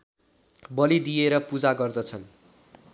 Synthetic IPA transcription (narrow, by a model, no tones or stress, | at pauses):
bʌlid̪ijeɾʌpud͡zaɡʌrd̪ʌt͡sʰʌn